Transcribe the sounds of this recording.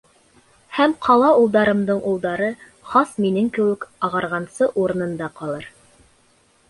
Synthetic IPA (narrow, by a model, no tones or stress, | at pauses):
hæmqʰɑlˠɑulˠd̪ɑɾɤ̆md̪ɤɴʔulˠd̪ɑɾɤ | χɑsminɘŋkɘ̆wɘkɑʁɑɾʁɑnsɤʔuɾɤ̆nɤ̆nd̪ɑqɑlˠɤɾ